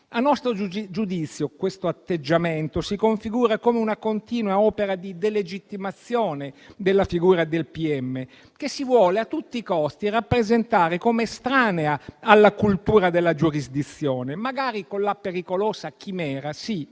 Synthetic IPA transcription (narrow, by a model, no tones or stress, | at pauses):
anːɔst̪ɾod͡ʒud̪it̪sːjokwest̪oat̪ːed͡ʒːament̪osikoɱfiɡuːɾakomeunakont̪iːnwaɔːpeɾad̪id̪eled͡ʒit̪ːimat̪sːjoːned̪elːafiɡuːɾad̪elpiɛmːe | k̟esːivwɔːleat̪ːut̪ːikɔst̪irapːɾezent̪aːɾekomeːst̪ɾaːneaalːakult̪uːɾad̪elːad͡ʒuɾizd̪it̪sːjoːnemaɡaːɾikonlapeɾikoloːsakimɛːɾasi